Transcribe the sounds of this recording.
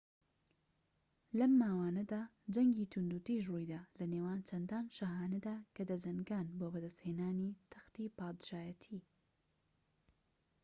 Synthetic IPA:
lɐmːaːwaːnɐd̪aːd͡ʒɐŋɡiːt̪ʰund̪uːt̪iʃ̬rujd̪aːlɐnewaːnt͡ʃʰɐnd̪aːnʃɐɦaːnɐd̪aːkɐd̪ɐd͡ʒɐŋɡaːnboːbɐd̪ɐst̪heːnaːnit̪ʰɐ̥xt̪ipaːd̪ɨʒaːjɐt̪ʰi

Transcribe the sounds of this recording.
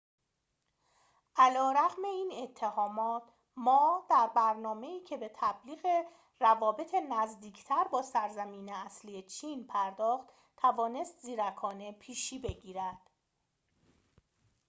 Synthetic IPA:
ʔælɒːɾæɣme̞iːne̞t̪ʰːe̞hɒːmɒːt̪ʰ | mɒːd̪æɾbæɾnɒːme̞iːcʰe̞be̞t̪ʰæbliːɣe | rævɒːbe̞t̪ʰenæzd̪iːcʰt̪ʰæɾbɒːsæɾzæmiːneæsliːet͡ʃʰiːnpʰæɾd̪ɒːχt̪ | t̪ʰːævɒːne̞st̪ziːɾækʰɒːne̞pʰiːʃiːbe̞ɟiːɾæd̪̥

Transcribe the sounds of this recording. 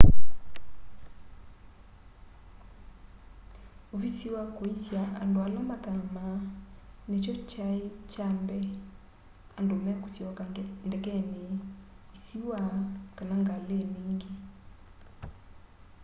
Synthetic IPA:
oβisiwakoisjaa̰ndoalamat̪amanet͡ʃɔt͡ʃaet͡ʃambɛ | andomɛkosjɔkandɛkɛne | isiwakanaŋɡalemiːŋɡe

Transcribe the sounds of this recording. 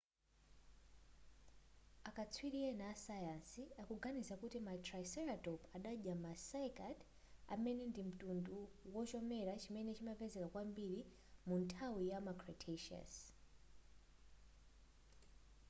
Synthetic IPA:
akat͡sʰwiɾiɛnaːsajansiakuɡanisakutimatrasɛɾatɔpaɗaʄamasajkad | a̰mɛnɛndim̩tunduwɔt͡ʃɔmɛɾat͡ʃimɛnɛt͡ʃimapɛzɛkakwambiɾi | muntʰawijamakʰɹatʰeʃa̰s

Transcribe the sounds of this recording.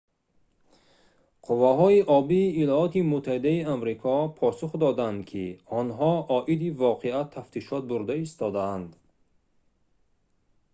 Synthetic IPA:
qʰuvːaɦɔiʔɔbiːlɔɔt̪imut̪ʰːahid̪aiamɾikʰɔpʰɔsuχd̪ɔd̪and̪kʰiɔnɦɔɔʔid̪ivɔqʰeat̪ʰːaft̪ʰiʃɔt̪̚buɾd̪aist̪ɔd̪aand̪

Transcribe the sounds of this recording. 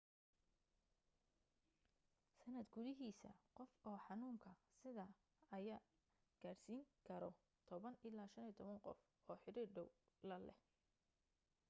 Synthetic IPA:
sɐnɐd̪ɡʊðɪɦiːsɐ̰qɔfɔːħɑnuːŋkʰɐsɪðɐ | ɐjaː | ɡ̥aːrsiːŋkʰɐɾɔ | t̪ʰɔβɐnɪlaːʃɐniːt̪ʰɔβɐŋqɔ̰f | ɔːħɪɾiːrɖɔwlɐlɛh

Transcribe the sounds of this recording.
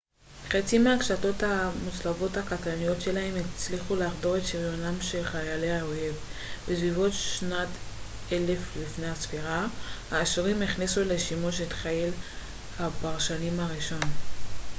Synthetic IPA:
χet͡simeakʃato̞thamut͡slavo̞thakatanijo̞tʃe̞lahe̞met͡sliχuleːχdo̞ʁetʃiʁjonamʃelχajaleao̞he̞vb̥esvivo̞tʃnat | ele̞flifne̞hasfiʁahaːʃʁimiχnisuleʃimuʃetχajel | habaʁʃanimhaʁiʃo̞n

